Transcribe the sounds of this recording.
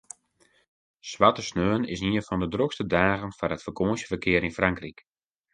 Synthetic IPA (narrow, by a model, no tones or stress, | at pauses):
sʋatəsnøːənɪ̰sniənfɔndədrokstədaːɣənfarətfərkʰoːnsjə̥fərkʰɪəɾɪnfraŋkrik